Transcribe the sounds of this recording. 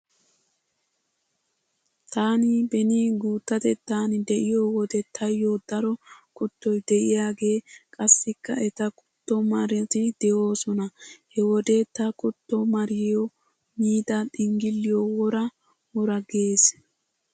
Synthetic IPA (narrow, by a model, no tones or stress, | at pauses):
t̪aːnɪbɛniːɡuːt̪ːɐt̪ɛt̪ːaːnɪd̪ɛʔɪjoːwɔd̪ɛt̪ʰɐjːoːd̪ɐɾɔkɔt̪ːɔjd̪ɛʔɪjaːɡe̞ːkʼɐsːɪkːɐʔɛt̪ɐkʼʊ̥t̪ːɔmɐɾɛt̪ɪd̪ɛʔo̞ːsɔnɐhɛwɔd̪et̪ɐkʼʊt̪ːɔmɐɾɪjɔ | miːd̪ɐɗɪŋɡɪlːɪjowɔɾɐ | wɔɾɐɡe̞ːs